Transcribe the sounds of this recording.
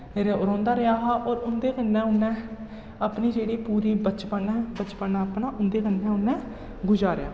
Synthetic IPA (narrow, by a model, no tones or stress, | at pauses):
eːɾeʊɾãːnd̪aːɾəjaːɦaːʔɔːɾʊnd̪eːkənːɛ̃ːʊnːɛ̃ː | əpniːd͡ʒeːɽiːpuːɾiːbət͡ʃpəɛ̃ːbət͡ʃpənaːəpnãːʔʊnd̪eːkənːɛ̃ːʊnːɛ̃ː | ɡʊd͡ʒaːɾɪja̰ː